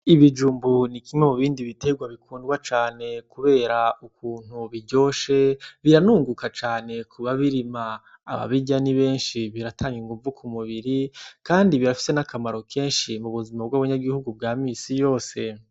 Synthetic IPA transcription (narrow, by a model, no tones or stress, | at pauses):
iβid͡ʒuːmbunikimwemuβiːndiβite̞ɡwaβikʰuːndɡwat͡ʃaːne̞kuβe̞ːɾaukuːn̥huβiɟo̞ːʃe̞βiɾanuːŋɡukat͡ʃaːne̞kʰuβaβiɾima̰ː | βa̰βiɟaniβe̞ːnʃiβiɾatʰaːŋɡiŋɡuvukʰumuβiɾikaːndiβiɾafi̥se̞nakamaɾo̞kʰe̞ːnʃimuβuzimabɡaβaɲaɡihuɡub̚ɡaːmisijo̞ːse̞